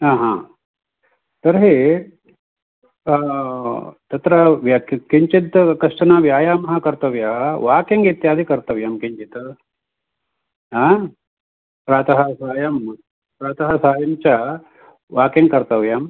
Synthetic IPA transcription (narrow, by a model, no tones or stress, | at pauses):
ɦaːɦã̰ː | t̪ɐɾɦeː | t̪ɐt̪ɾɐʋkiɲt͡ʃit̪kɐʂʈɐnaːʋjaːjaːmɐɦɐ̆kɐɾt̪ɐʋjɐɦʋaːkiŋɡit̪jaːd̪ʱikɐɾt̪ɐʋjamkiɲt͡ʃit̪ | ɦaː | pɾaːt̪ɐɦɐsaːjɐm | pɾaːt̪ɐɦɐsaːjɐmt͡ʃa | ʋaːkiŋɡkɐɾt̪ɐʋjaːm